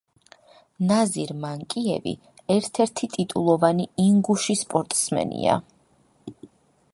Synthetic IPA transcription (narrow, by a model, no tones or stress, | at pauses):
naziɾmaŋkʼiɛ̰vḭ | ɛɾt̪ʰɛɾt̪ʰit̪ʼit̪ʼulˠɔvaniiŋɡuʃispʼɔɾt̪ʼsmɛ̰nḭa̰